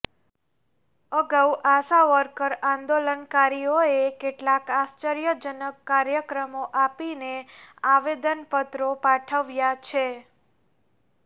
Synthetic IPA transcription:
əɡawʔasaʋəɾkəɾãnd̪olənkaɾijoekeʈlakast͡ʃəɾjəd͡ʒənəkːaɾjəkɾəmoʔapineaʋed̪ənpət̪ɾopaʈʰəʋjat͡ʃʰe

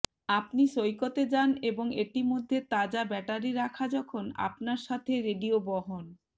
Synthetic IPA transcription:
apniʃojkot̪ed͡ʑaneboŋeʈimod̪ʱːet̪ad͡ʑabɛʈaɾiɾakʰad͡ʑɔkʰona̰pnaɾʃat̪ʰeɾeɖiobɔɦon

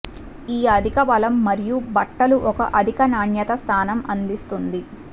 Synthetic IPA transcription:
iːɐd̪ʱikɐbɐlɐmːɐɾijubɐʈːɐluʔɔkɐ̰ʔɐd̪ʱikɐnaːɳjɐt̪ɐst̪ʰaːnɐmɐnd̪ist̪und̪i

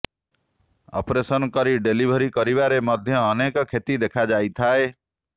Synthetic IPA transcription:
ɔ̰pɾesɔnkɔɾiɖelibʱɔɾikɔɾibaɾemɔd̪ʱjɔːnekɔkʰet̪id̪ekʰad͡ʒajt̪ʰae

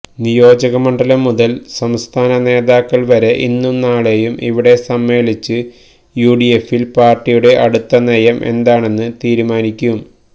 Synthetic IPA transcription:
nijo̞ːd͡ʑɐɣɐmɐɳɖɐlɐmːuðɐlsɐmst̪ʰaːnɐne̞ːðaːkːɐɭʋɐɾe̞ʔinːumnaːɭe̞jumʔiʋiɽe̞sɐmːe̞ːlit͡ɕːɨ | juːɖijefilpaːrʈːijuɽe̞ʔɐɽut̪ːɐnejɐmʔe̞̰nd̪aːɳe̞nːɨt̪iːɾumaːnikʲːuɣum

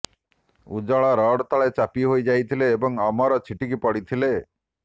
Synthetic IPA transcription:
ṵd͡ʒɔɭaɾɔɽt̪aɭet͡ʃapiɦojd͡ʒajt̪ʰileːbɔŋɔmɔɾɔt͡ʃʰiʈikipɔɽit̪ʰile

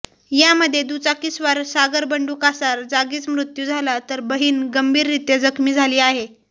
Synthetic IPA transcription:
jaməd̪ʱːjed̪ut͡sakisʋaɾsaɡəɾbəɳɖuːkasaɾd͡zaɡiːt͡smɾut̪jud͡zʱalat̪əɾbəɦiːnɡəmbʱiːɾːit̪jəd͡zəkʰmiːd͡zʱaliːaɦe

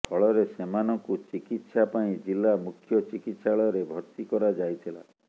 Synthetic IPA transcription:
pʰɔɭɔɾesemanɔŋkut͡ʃikit̪sapaĩd͡ʒilːamukʰjɔt͡ʃikit̪saɭɔɔɾebʱɔɾt̪ikɔɾad͡ʒajt̪ʰila̰

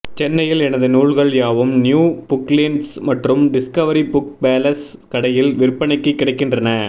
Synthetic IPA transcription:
t͡ʃɛnːɐjɪlɛnɐðɯnuːɻɣɐɭjaːʋɯmnjuːbʊklɪnsmɐʈrɯmɖɪskɐʋɐɾibʊk̚beːlɐs | kɐɽɐjɪlʋɪɾpːɐɳɐɪkːɯkːɪɽɐɪkːɪndrɐnɐ

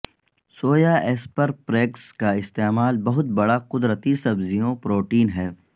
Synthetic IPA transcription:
soːjaʔeːspɐɾpɾeːkskaɪst̪eːmaːlbɐɦʊt̪̚bɐɽaqʊd̪ɾət̪isɐbzijõpɾoːʈiːnɦɛː

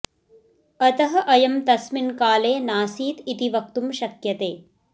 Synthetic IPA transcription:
ɐt̪ɐɦɐ̆ʔɐjɐmt̪ɐsminkaːleːnaːsiːt̪it̪iʋɐk̚t̪umʃɐkjɐt̪eː

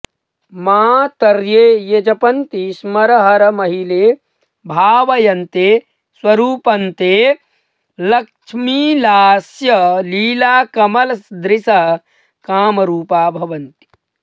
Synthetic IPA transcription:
maːt̪ɐɾjeːjed͡ʒɐpɐnt̪ismɐɾɐɦɐɾɐmɐɦileː | bʱaːʋɐjɐnt̪eː | swɐɾuːpɐnt̪eː | lɐkt͡ʃʰmilaːsjɐliːlaːkɐmɐlɐsd̪ɾisɐ | kaːmɐɾuːpaːbʱɐʋɐnt̪i̥

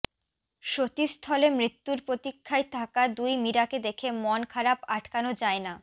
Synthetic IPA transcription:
ʃot̪ist̪ʰɔlemɾit̪ːuɾpɾot̪ikʰːaet̪ʰakad̪ujmiɾaked̪ekʰemɔnkʰaɾapaʈʰkanod͡ʑaena

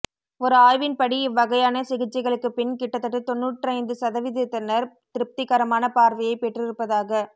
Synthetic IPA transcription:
ɔɾɯaːjʋɪnpɐɽiɪʋːɐɣɐjaːnɐsɪɣɪt͡ʃːɪɣɐɭɯkːɯpɪnkɪʈːɐt̪ːɐʈːɯt̪ɔnːuːʈːrɐɪnd̪ɯsɐðɐʋɪðɯt̪ːɐnːɐɾ | t̪ɪɾɯp̚t̪ɪkːɐɾɐmaːnɐpaːɾʋɐjɐɪpɛʈrɪɾɯpːɐðaːɣɐ

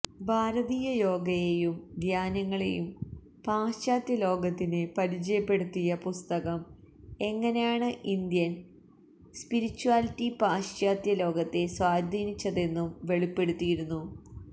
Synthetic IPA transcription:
bʱaːɾɐðiːjɐjo̞ːɡɐjejumɡ̪ʱjaːnɐŋːɐɭḛjum | paːɕaːt̪jɐlo̞ːɡɐt̪ːinɨpɐɾit͡ɕɐjɐpːe̞ɽut̪ːijɐpust̪ɐɣɐm | e̞ŋːɐne̞jaːɳɨʔind̪jɐn | spiɾit͡ɕːuaːlitːipaːɕaːt̪jɐlo̞ːɡɐt̪ːe̞swaːd̪ʱiːnit͡ɕːɐðe̞nːumʋe̞ɭipːe̞ɽut̪ːijiɾunːu

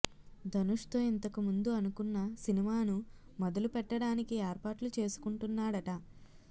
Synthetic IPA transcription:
d̪ɐnuʂt̪o̞ːint̪ɐkumund̪uɐnukunːɐsinimaːnu | mɔd̪ɐlupɛʈːɐɽaːnikiɛːɾpaːʈlut͡ʃe̞ːsu̥kuɳʈunːaːɽɐʈɐ

